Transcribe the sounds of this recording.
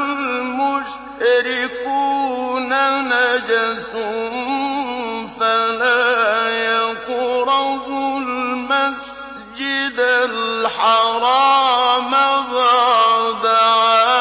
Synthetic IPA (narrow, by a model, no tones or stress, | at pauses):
lmʊʃ | aɾɪkunanad͡ʒasu | falajakuɾɑɣʊlmas | d͡ʒɪd̪aħɑɾˤɑːmaɣɑd̪a